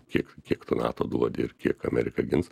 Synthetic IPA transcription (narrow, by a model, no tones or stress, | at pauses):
kʲiɛkkʲiɛkt̪ʊnɑ̰ːt̪oːd̪uɔd̪ʲɪɪrkʲiɛkɐmʲɛɾʲɪkɐɡʲɪns